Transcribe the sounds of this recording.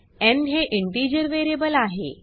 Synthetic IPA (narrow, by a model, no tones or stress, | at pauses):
ɛnɦeʔiɳʈid͡ʑəɾʋeɾebəlaɦḛ